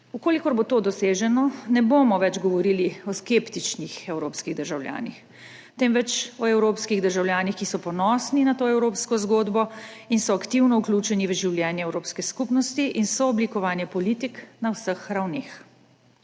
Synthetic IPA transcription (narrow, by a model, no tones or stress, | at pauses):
ukoːlikɔɾbot̪oːd̪ɔseːʒɛnɔnɛbomɔʋɛd͡ʒɡɔʋɔɾiliɔskept̪it͡ʃnixɛwɾoːpskiɣd̪əɾʒawlja̰ːnḭx | t̪ɛmʋɛt͡ʃɔɛwɾoːpskiɣd̪əɾʒawljaːnixkisɔpɔnɔːsninat̪oːɛwɾoːpskɔzɡoːd̪bɔinsɔakt̪iwnɔuklʲuːt͡ʃɛniʋəʒiwljɛːnjɛɛwɾoːpskɛskupnɔst̪iʔinsɔːblikɔʋaːnjɛpɔliːt̪iknawsəxɾawneːx